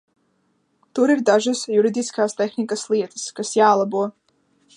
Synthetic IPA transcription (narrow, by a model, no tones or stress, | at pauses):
t̪uɾiɾd̪aʒasjuɾid̪iskaːst̪ɛxnikaslˠiɛt̪ə̥skasjaːlˠabuɔ